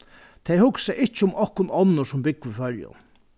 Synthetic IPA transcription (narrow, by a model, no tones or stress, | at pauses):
t̪ʰɛjhʊksɛʔɪht͡ʃəʊmɔhkʊnɔnːɔsʊmbɪkːifœljʊ̰n